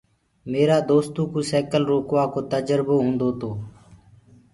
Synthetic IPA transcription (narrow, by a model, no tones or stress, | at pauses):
meːɾaːd̪oːst̪ũːkuːsɛːkəlɾoːkʋaːkoːt̪əd͡ʒəɾboːɦõːnd̪oːt̪oː